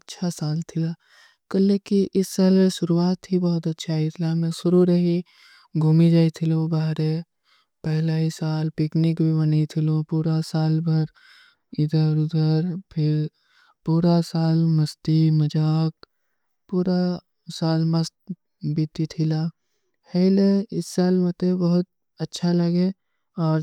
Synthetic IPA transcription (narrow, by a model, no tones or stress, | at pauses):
ɐtːʃʰasaːlt̪ʰɪla | kɐlːekiʔɪsːaːleʃʊɾuaːt̪ɦibɔːʊt̪ɐtːʃʰaɦit̪ʰɪlamɛ̃sʊɾuɾɐɦi | ɡʱuːmid͡ʒaːit̪ʰɪlõbaːɦɾe | pɛɦlaɦisaːlpɪknɪkbʱibɐnat̪ʰɪlõpuːɾasaːlbɐɾ | ɪd̪əɾʊd̪əɾpʰɪɾ | puːɾasaːlmɐst̪imɐd͡ʒaːk̚ | puːɾa | saːlmɐst̪̚ | bʱit̪it̪ʰɪla | heɪleɪsːaːlmɐt̪ebɐɦʊt̪̚ | ɐtːʃʰalɐɡeː | ɔːɾ